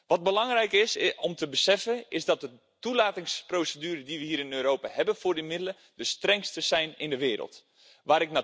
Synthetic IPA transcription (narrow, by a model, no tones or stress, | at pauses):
ʋɔt̚bəlɑŋrɛjkɪsɔmtəbəsɛfəɪzdɔt̚də | tulaːtɪŋsprowsədyːɾədiʋəhiːɾɪnøːɾoːpahɛbənfʊːrdimɪdələ | dəstrɛŋstəsɛjnɪndəʋɪːɾə̰lˠt | ʋaːɾɪk̚na